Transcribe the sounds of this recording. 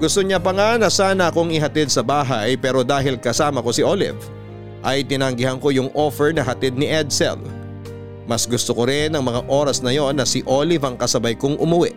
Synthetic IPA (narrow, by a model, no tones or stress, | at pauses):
ɡ̥ʊst̪oɲapɐŋanɐsaːnɐɐko̞ŋɪɦɐt̪id̪̚sɐbaːɦajpɛːɾo̞d̪aːɦɪlkɐsaːmɐko̞sɪʔoːlɪ̰v | ʔɐjt̪ɪnaɐŋɡɪɦɐnko̞jʊŋʔo̞ːfɛɹnɐɦɐt̪id̪̚nɪʔɛd̪sɛ̰l | mɐsɡʊst̪okoɾɪnɐŋmɐŋaʔo̞ːɾɐsnɐjo̞nːɐsiʔo̞lɪvɐŋkɐsɐbɐjkoŋʔʊmʊwɛʔ